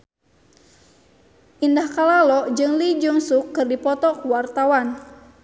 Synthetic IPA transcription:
ʔindahkalalɔd͡ʒɨŋlid͡ʒuŋsukːɨrdipɔt̪ɔkuwart̪awan

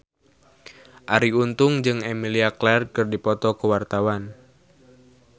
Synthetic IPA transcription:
ʔaɾiunt̪ʊŋd͡ʒɨŋɛmiliaklɛrkɨrdipɔt̪ɔkuwart̪awan

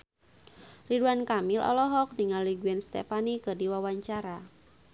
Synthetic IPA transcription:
riduankamɪlʔɔ̰lɔɦɔk̚niŋalːiɡuɛnst̪ɛ̰panikɨrdiwawaɲt͡ʃaɾa

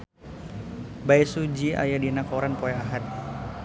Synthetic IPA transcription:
bajsud͡ʒiʔa̰jadinakoɾanpojaɦat̪̚

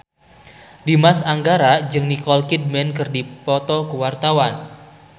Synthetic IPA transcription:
dimasaŋɡaɾad͡ʒɨŋnikɔlkid̚mɛnkɨrdipɔt̪ɔkəwart̪awan

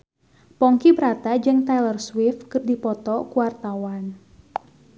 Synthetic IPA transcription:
pɔŋkibɾat̪ad͡ʒɨŋt̪ajlərswɪfkɨrdipɔt̪ɔkuwart̪awan

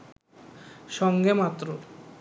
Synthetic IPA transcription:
ʃɔŋɡemat̪ːɾo

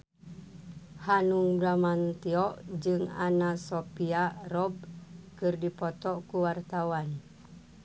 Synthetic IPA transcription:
hanuŋbɾamant̪iɔʔd͡ʒɨŋanasopiarɔb̚kɨrdipɔt̪ɔʔkuwart̪awan

